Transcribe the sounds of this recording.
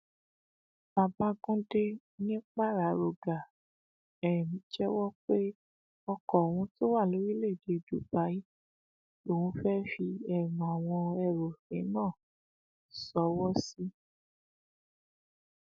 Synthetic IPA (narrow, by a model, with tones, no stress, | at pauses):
ba˧ba˧˦ɡũ˦de˦ | nĩ˦k͡pa˦˨ɾa˨˦ɾo˨ɡa˨ | ɛ˨ɾɛ˨mĩ˨˦d͡ʒɛ˦wɔ˦k͡pe˦ | ɔ˧kɔ˨wũ˧to˦wa˦˨lo˨˦ɾi˦le˦˨de˧˨du˨˦ba˨˦i˦ | o˨wũ˧fɛ˦fi˧ɛ˦˨mɔ̃˨w̃ɔ̃˧ɛ˧˨ɾo˨fẽ˨˦nɔ̃˦˨ | sɔ˨˦wɔ˦si˦